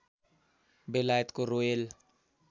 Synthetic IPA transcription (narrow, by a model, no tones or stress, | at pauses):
belaːjət̪koɾoel